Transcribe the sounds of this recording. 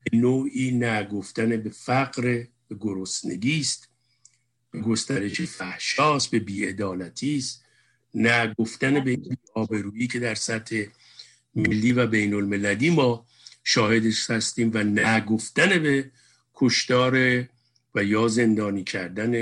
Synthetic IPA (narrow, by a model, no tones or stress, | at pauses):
be̞noːiːnæɡo̞ft̪ænebe̞fæɡɾe | ɡoɾosne̞̰ɡiːst̪ | b̥eɡo̞st̪æɾeʃefæhʃɒːsbe̞biːe̞d̪ɒːlæt̪ʰiːst̪ | næɡoft̪ænebeiːnbiːɒːbe̞ɾuːiːcʰe̞d̪æɾsæt̪he̞ | melːiːvæbe̞jnolme̞læliːmɒː | ʃɒːhe̞d̪eʃhæst̪iːmvænæɡo̞ft̪æne̞be | kʰoʃt̪ɒːɾe | væjɒːze̞nd̪ɒːniːcʰæɾd̪æne